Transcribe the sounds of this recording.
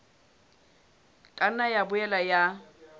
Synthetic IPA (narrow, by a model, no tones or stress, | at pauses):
kʼanajabʊɛlaja